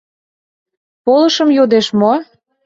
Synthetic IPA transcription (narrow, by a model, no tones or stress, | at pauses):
polɤ̆ʃəmjod̪eʃmo